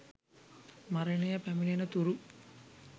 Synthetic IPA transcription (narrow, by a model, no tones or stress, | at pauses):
mɐɾɐɳejɐpɐmilinɐt̪uɾu